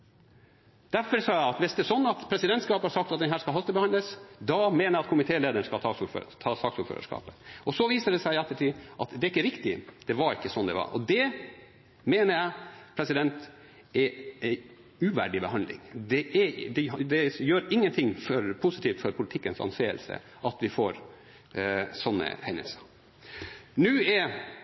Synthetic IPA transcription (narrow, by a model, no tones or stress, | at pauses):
d̪̥æɾfɔɾsɑːjæɪɑt̪ʋɪsd̪ɛːsɔnːɑt̪pʰɾɛsɪd̪ɛnt̪skɑːpəhɑɾʂsɑk̚t̪ɑt̪d̪ɛnɦæːɾʂkɑlɑst̪əbəhɑnləsd̪ɔmeːnəjɑt̪̚kʰʊmɪt̪ʰeːleːd̪əɳ̩ʂkɑt̪ʰɑːsufø̰t̪ʰɑːsɑksuːɾfø̰ːɾə̰ʂkɑ̰ːpəɔsɔʋiːsəɖ̪ɛsæɪɛt̪ːəʈʰiːʔɑt̪d̪ɛæɾɪkːəɾɪkt̪ɪd̪̥ɛʋɑɾɪkːəsɔnd̪ɛ̰ʋɑ̰ɾɔ̰d̪ɛ | meːnəɾjæɪpʰɾɛsɪd̪ɛnt̪ | ɛæɪ | ʉʋæ̰ːɖɪbəhɑnlɪ̰ŋd̪ɛʔɛd̪ɛd̪ɛjøːɾɪŋːənt̪ʰɪŋfɔɾpʰʊsɪt̪iːft̪fɔɾpʰʊlɪt̪ʰɪkːənsɑ̰nseːə̰lsə̰ | ʔɑt̪ʋɪfoːɾ | sɔnːə̰hɛnːə̰lsə | nʉːɛ